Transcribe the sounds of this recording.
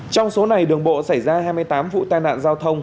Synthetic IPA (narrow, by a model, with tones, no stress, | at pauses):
t͡ɕɔ˧wŋ͡mso˨˦na˨˩jɗɨ˨˩əŋɓo̰˧˨sa˧˩jzaː˧haː˧jm˧əjt̪aː˨˦mvṵ˧˨t̪aː˧jna̰ː˧˨nzaː˧wt̪ʰə˧wŋ͡m